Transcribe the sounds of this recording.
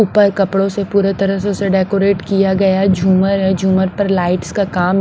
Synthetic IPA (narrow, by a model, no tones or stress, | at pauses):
ʊpəɾkɐpɽõsepuːɾet̪ɐɾəɦsõseɖeːkoɾeːʈkijaɡɐjad͡ʒʱuːməɾɦɛd͡ʒʱuːməɾpɐɾlaːɪʈskakaːm